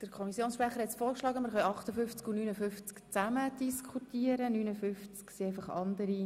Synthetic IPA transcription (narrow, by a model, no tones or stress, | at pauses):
d̥əɾkʰχɔmisjoːnsʃpɾaχəɾhɛtt͡sfoːɾkʃlɑːɡəməɾχœjɑχtəfʏft͡skunyːnəfʏft͡skt͡sæməd̥iskʰχutiəɾənynəfʏft͡sksiɛɪfɑχɑ̰ndəɾi